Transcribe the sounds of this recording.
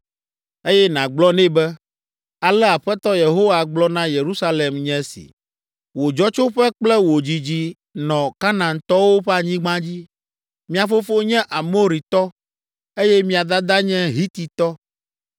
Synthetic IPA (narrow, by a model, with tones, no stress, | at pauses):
e˦jɛ˦nã˨ɡ͡blɔ˦nɛ̃˦bɛ˦ | a˨lɛ˦a˨ɸɛ˦t̪ɔ˦je˨ɦo˦wa˨ɡ͡blɔ˦nã˦je˨ɾu˦sa˦le˨mɲɛ̃˦sḭ˨ | wo˨d͡ʒɔ˦t͡ʃo˦ɸɛ˦k͡plɛ˦wo˨d͡ʑi˨d͡ʑi˦ | nɔ̃˨ka˦nã˨nt̪ɔ˦wo˦ɸɛ˦a˨ɲĩ˦ɡ͡bã˦d͡ʑi˦ | mĩ˦a˨fo˦fo˦ɲɛ̃˦ʔa˨mo˦ɾi˨t̪ɔ˦ | e˦jɛ˦mĩ˦a˨d̪a˦d̪a˦ɲɛ̃˦ɦi˦t̪i˨t̪ɔ˦